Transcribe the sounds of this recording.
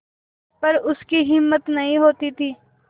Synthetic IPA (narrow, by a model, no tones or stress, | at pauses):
pɐɾʊskiɦɪmːət̪nɐɦĩɦoːt̪it̪ʰiː